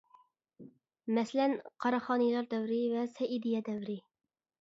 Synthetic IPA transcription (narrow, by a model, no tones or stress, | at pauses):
mɛslɛnqʰɑɾɑχɑːnɨjlˠɑɾd̪ɛwɾɪvɛsɛʔid̪ijɛd̪ɛvɾɪ